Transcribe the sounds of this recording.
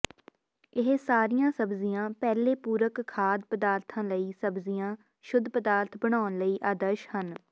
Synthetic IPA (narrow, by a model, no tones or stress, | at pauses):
ɪɦsaːɾijãːsəbzijãːpɛːleːpuːɾəkkʰːaːd̪̚pəd̪aːɾt̪ʰãːləiːsəbzijãː | ʃʊd̪ʱːpəd̪aːɾt̪ʰbəɽ̃aːʊnləiːʔaːd̪əɾʃhən